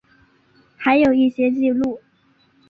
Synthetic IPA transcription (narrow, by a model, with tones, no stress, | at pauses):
xa˧˥ɪjo˨˩ʊi˥˩ɕjɛ˥t͡ɕi˥˧lu˥˩